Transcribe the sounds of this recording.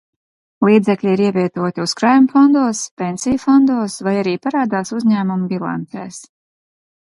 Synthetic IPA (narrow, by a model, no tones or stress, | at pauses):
lˠiːd̪zɛklʲiiɾiɛvʲiɛt̪uɔt̪ʲiuskɾajmfɔnd̪uɔspɛnʲsijfɔnd̪uɔsvajaɾiːpaɾaːd̪aːsuzɲæːmumbʲilˠa̰nt̪ɛ̰ːs